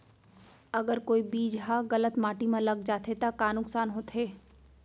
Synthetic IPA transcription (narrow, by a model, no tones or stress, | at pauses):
ɐɡəɾkoːibiːd͡ʒɦaɣɐlət̪maːʈimãlɐɡd͡ʒaːt̪ʰet̪akaːnʊksaːnɦot̪ʰɦeː